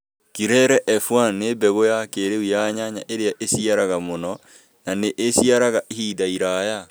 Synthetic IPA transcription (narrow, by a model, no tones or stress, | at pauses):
kiɾɛɾɛʔɛfwanebɛɣojakeɾeujaːɲaɲa̰ʔeɾeaʔesiaɾaɣamonɔ | naneʔesiaɾaɣaʔihidaiɾaːja